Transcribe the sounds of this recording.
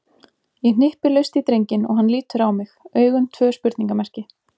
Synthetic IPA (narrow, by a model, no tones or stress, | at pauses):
jɛn̥ɪhpɪlœɥst̪it̪ɾejɲcɪnɔ̰ɣɦanːliːt̪ʏɾawmɪxœːɥɣʏmt̪ʰvœːspʏɾt̪niŋkamɛr̥cɪ